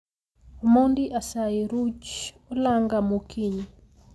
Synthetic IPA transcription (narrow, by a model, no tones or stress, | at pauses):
omɔndiʔasaiɾut͡ʃ | olaŋɡamukʰiɲi